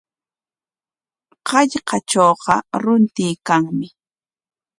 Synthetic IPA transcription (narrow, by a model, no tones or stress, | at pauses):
ɢɑʎqɑt͡ʃoːqɑ̰ɾʊnt̪ɪːkaŋmɪ